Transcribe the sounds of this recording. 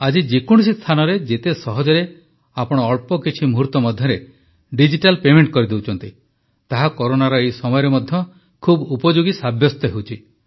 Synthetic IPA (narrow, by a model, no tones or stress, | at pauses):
ad͡ʒid͡ʒekuɽ̃sist̪ʰanɔɾed͡ʒet̪esɔɦɔd͡ʒɔɾe | apɔɽ̃ɔːɭpɔkit͡ʃʰimuɦuɾt̪ɔmɔd̪ʱjɔɾe | ɖid͡ʒiʈalpemeɳʈ̚kɔɾid̪ewt͡ʃʰɔnt̪i | t̪aɦakɔɾonaɾɔejsɔmɔjɔɾemɔd̪ʱjɔ | kʰubupɔd͡ʒuɡisabʱjɔst̪ɔɦewt͡ʃʰi